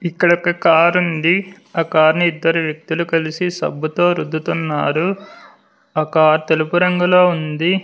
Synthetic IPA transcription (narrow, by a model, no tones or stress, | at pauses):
ikːɐɽɔkːɐkaːɾund̪i | ɐkaːɾnuid̪ːɐɾuʋjek̚t̪ulukɐlisisɐ̰bʱːut̪o̞ːɾud̪ʱːut̪unːaːɾu | ɐkaːɾt̪elupuɾɐŋɡuloːund̪i